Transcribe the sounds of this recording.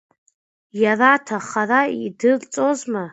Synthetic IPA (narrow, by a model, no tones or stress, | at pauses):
jaratʰaχaraidɨlt͡sʼozma